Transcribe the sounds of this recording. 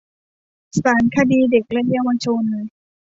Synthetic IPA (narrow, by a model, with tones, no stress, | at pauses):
saː˩˦nkʰa˧diː˧de˨˩k̚lɛ˦˥ja˧wa˧t͡ɕʰo˧n˧